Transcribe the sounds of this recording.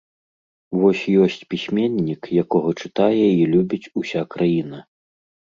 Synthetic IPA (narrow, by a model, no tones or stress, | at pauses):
vɔsʲjɔsʲt͡sʲpʲisʲmʲɛnʲːikjakɔɣɐt͡ʂɨt̪ajɛilʲubʲit͡sʲusʲakɾʔajin̪ɐ